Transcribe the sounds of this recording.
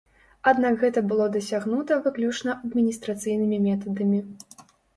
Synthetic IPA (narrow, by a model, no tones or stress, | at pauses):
ad̪nakɣɛt̪ɐbɨlˠɔd̪ɐsʲaɣnut̪ɐvɨklʲut͡ʂnɐʔɐd̪mʲinʲist̪ɾat̪sɨjnɨmʲimʲɛt̪ɐd̪ɐmʲi